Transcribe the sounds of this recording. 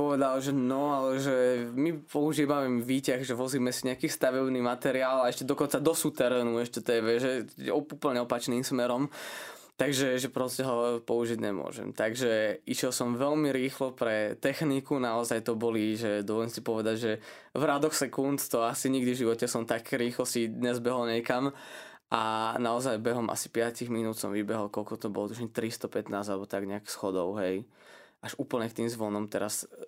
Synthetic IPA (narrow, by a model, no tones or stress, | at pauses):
pɔʋɛd̪alʒɛnɔalɛʒɛmipɔuʒiːʋamɛmʋiːcaɣʒɛʋɔziːmɛsiɲɛakiːst̪aʋɛbniːmat̪ɛɾiaːlaɛʃcɛd̪ɔkɔnt͡sad̪ɔsut̪ɛɾɛːnuɛʃcɛt̪ɛɛʋɛʒɛɔupl̩ɲɛɔpat͡ʃniːmsmɛɾɔm | t̪aɡʒɛʒɛpɾɔscɛɦɔpɔuʒiɟɲɛ̰mʊɔ̰ʒɛ̰mt̪aɡʒɛiʃjɛlˠsɔmʋɛlmiɾiːxlɔpɾɛt̪ɛxnikunaɔzajt̪ɔbɔliʒɛd̪ɔʋɔlɛmsipɔʋɛd̪aɟʒɛ | vɾad̪ɔxsɛkunt̪t̪ɔasiɲiɡd̪ivʒiʋɔcɛsɔmt̪akɾiːxlɔsid̪ɲɛzbɛɦɔlɲɛkam | ʔanaɔzajbɛɦɔmʔa̰si̥pɪaciɣminuːt̪sɔ̰mʋibɛɦɔlkɔlkɔt̪ɔbɔ̰lɔt̪uʒɲɛt̪ɾist̪ɔpɛt̪naːzalɛbɔt̪aɡɲɛaksxɔd̪ɔʊɦɛj | ʔaʒuːpl̩ɲɛkt̪iːmzʋɔnɔmt̪ɛɾas